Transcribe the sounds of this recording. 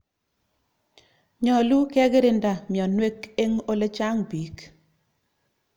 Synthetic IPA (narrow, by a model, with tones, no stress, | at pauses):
ɲɔ˨lu˦kɛ˦ɡɾɪ˦nda˨mjɔ˨nwe˦ke˦ŋo˦le˦t͡ʃa˦ŋbi˨k